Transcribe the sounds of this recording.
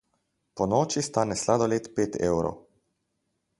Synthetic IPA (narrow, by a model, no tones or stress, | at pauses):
pɔnɔːt͡ʃist̪aːnɛslad̪ɔleːt̪peːt̪ʰɛ̰wɾo̰w